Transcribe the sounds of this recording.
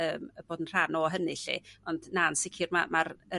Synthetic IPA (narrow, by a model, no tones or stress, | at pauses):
əːməb̥oːdənr̥anɔɦənɨɬḭɔndnansɪkʰɪrmamarə